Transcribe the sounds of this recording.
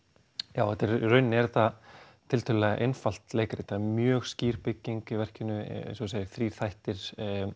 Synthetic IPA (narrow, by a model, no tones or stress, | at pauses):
jaːwɛt̪ɛɾrœɥnːɛɾθa | t̪ʰɪlt̪ʰʏllɛɣaʔejnfal̥t̪leːjkaɾɪt̪ʰaðmjœːɣsciːɾ̥pɪcːiŋkɪvɛr̥cɪnːʏsɔsaːjɪθɾi̥ːθajht̪ɪɾ̥